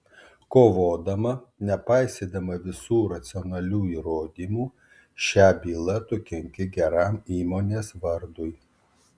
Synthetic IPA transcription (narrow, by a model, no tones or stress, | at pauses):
koːʋoːd̪ɐmɐnʲɛpɑɪsʲeːd̪ɐmɐʋʲɪsuːɾɐt̪sʲɪɔnɐlʲuːiːɾoːd̪ʲiːmuː | ʃʲæːbʲiːlˠɐt̪ʊkʲɛŋʲkʲɪɡʲɛɾɑmiːmoːnʲeːsʋɐɾd̪ʊj